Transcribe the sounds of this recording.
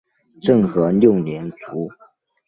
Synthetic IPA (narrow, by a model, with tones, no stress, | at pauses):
ʈ͡ʂɤ˥˩ŋxɤ˧˥ljo˥˩ʊnjɛ˧˥nt͡su˧˥